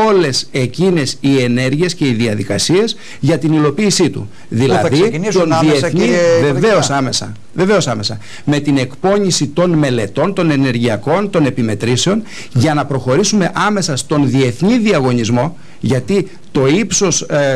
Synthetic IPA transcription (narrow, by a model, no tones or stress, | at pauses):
o̞le̞se̞cine̞sie̞ne̞ɾʝie̞sce̞iðiɐðikɐsie̞s | ʝɐt̪inilo̞piːsit̪ṵ | ðilɐðionðieθɲiveve̞osɐmesɐ̰ | ve̞ve̞o̞sɐme̞sɐ | me̞t̪ine̞kpo̞ɲisit̪o̞nme̞le̞t̪o̞nt̪o̞ne̞ne̞ɾʝiɐko̞nt̪o̞ne̞pime̞t̪ɾiseo̞n | ʝɐnɐpɾo̞xo̞ɾisume̞ʔɐme̞sɐst̪o̞nðie̞θɲiðiɐɣo̞ɲizmo̞ | ʝɐt̪i | t̪o̞ipso̞s